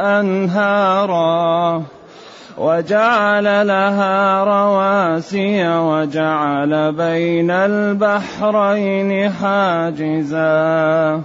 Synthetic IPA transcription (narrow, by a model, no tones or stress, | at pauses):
ʔanɦɑɾˤɑ | wʔad͡ʒaʕalalaɦaːɾˤɑwaːsɪjawad͡ʒaʕalabajnalbaħɾajnɪħaːd͡ʒɪzaː